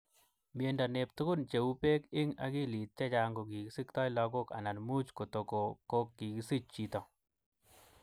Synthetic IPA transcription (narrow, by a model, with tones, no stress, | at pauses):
mje˨nda˨ne˨p̚t̪ʊ˦kʊ˦nt͡ʃe˨u˦pe˦kɪ˦ŋa̰˨ki˦˨li˨t̚t͡ʃɛ˦t͡ʃa˨ŋɡo˨ki˨ki˦si˦kt̪ɔ˦jlɔ˧ko˦ka̰˨na˨nmu˦t͡ʃko˨to˨ko˨ko˦kːi˨ki˦si˦t͡ʃ̚t͡ʃi˨tɔ˨